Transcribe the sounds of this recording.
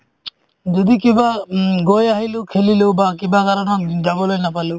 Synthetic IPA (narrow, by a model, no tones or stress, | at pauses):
d͡ʒɔd̪ikibaɡojaɦilewkʰelilewbakibakaɾɔnɔd͡ʒabɔlojnapalew